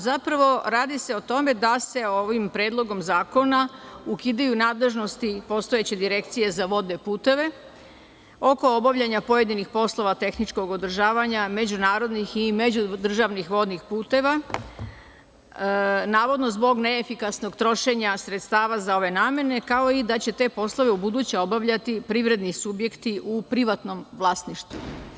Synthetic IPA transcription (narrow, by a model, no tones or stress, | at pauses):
zapɾaʋo̞ɾaːd̪ise̞o̞t̪o̞me̞d̪ase̞oʋimpɾeːd̪lˠo̞ɡo̞mzaːko̞naukid̪ajunaːd̪le̞ʒno̞st̪ipo̞st̪o̞je̞t͡ɕe̞d̪iɾe̞kt̪sije̞zaʋo̞d̪ne̞puːt̪e̞ʋe̞ | o̞ko̞obaʋʎaɲapo̞je̞d̪inixpo̞slˠo̞ʋat̪e̞xnit͡ʃko̞ɡo̞d̪r̩ʒaːʋaɲame̞d͡ʑunaːɾo̞d̪nixime̞d͡ʑud̪r̩ʒaʋnixʋo̞d̪nixpuːt̪e̞ʋa | naːʋo̞d̪no̞zbo̞ɡne̞ːfikasno̞ɡt̪ɾo̞ʃe̞ɲasɾet̪st̪aːʋazao̞ʋe̞naːmje̞ne̞kao̞id̪at͡ɕe̞t̪e̞ːpo̞slˠo̞ʋe̞ubud̪uːt͡ɕao̞baʋʎat̪ipɾiʋɾe̞d̪nisubje̞kt̪iʔupɾiʋat̪no̞mʋlˠaːsniʃt̪u